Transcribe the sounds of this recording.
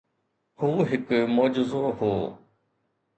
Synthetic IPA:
huːɦɪkmoːd͡ʒɪzoːɦoː

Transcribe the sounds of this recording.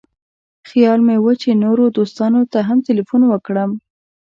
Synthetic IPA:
xjɑlmewət͡ʃenoɾod̪ost̪ɑnot̪aɦamtɪlifunwəkɽəm

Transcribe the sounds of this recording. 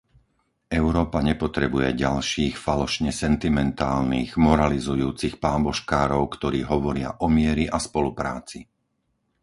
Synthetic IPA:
ɛʊɾɔːpaɲɛpɔt̪ɾɛbujɛ̰ɟalʃiːxfalɔʃɲɛsɛnt̪imɛnt̪aːlniːɣmɔɾalizujuːt͡sixpaːbɔʃkaːɾɔʊkt̪ɔɾiːɦɔʋɔɾɪa̰ʔɔmɪɛɾiʔaspɔlupɾaːt͡si

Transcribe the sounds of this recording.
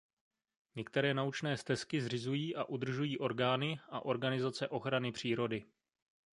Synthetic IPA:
ɲɛkt̪ɛɾɛːnaut͡ʃnɛːst̪ɛskɪzrɪzujiːʔaʔud̪r̩ʒujiːʔo̞ɾɡaːnɪʔaʔo̞ɾɡanɪzat͡sɛʔo̞xɾanɪpr̝̥iːɾo̞dɪ

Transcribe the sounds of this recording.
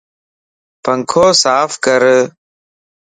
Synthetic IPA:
pəŋkʰoːsaːfkəɾ

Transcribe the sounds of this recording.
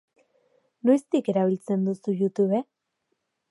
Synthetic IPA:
no̞jst̪ike̞ɾaβ̞ilt͡se̞nd̪usujut̪uβe̞

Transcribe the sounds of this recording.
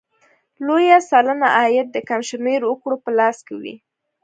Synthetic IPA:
lojasɑlənaʔɑjat̪̚d̪əkamʃmeɾʊkɽopəlɑskewḭ

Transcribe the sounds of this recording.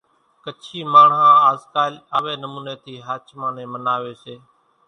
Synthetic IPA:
kət͡ʃʰiːmaːɳãːaːzkaːlaːʋeːnəmuːneːt̪ʰiːɦəːt͡ʃmãːnẽːmənaːʋeːseː

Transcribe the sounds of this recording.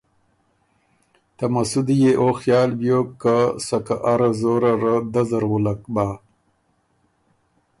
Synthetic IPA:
t̪amasud̪ijeʔoxjɑːlbjokːasakaʔaɾazoɾaɾad̪azaɾwulakbaː

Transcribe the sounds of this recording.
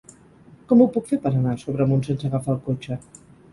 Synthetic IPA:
kɔmupukfepəɾənasoβɾəmunsensəɣəfaːlˠkot͡ʃə

